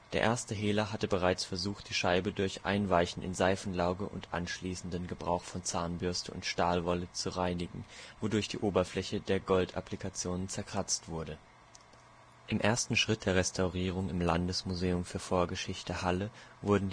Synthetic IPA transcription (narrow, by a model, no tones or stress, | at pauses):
d̥eːɐʔeːɐstəɦeːlɐɦatəbəʁ̞aɪt͡sfɛɐzuːxt̚d̥iːʃaɪbədʊɐçʔa̰ɪnvaɪçn̩tɪ̰nzaɪfn̩laʊɡəʔʊ̰ntʔa̰nʃliːsn̩dənɡəbʁa̰ʊxfɔnt͡saːnbʏɐstəʊ̰ntʃtaːlvɔlət͡suʁaɪnɪɡŋ̩vodʊɐçd̥ḭːʔoːbɐflɛçədeːɐɡɔltʰʔa̰plikʰat͡sjoːnənt͡sɛɐkʁ̥at͡stv̥ʊɐdə | ʔɪmʔeːɐstn̩ʃʁ̥ɪt̚d̥eːɐʁɛstʰaʊʁiːʁ̞ʊŋɪmlandəsmuzeːʊmfyːɐfoːɐɡəʃɪçtəhaləvʊɐdn̩d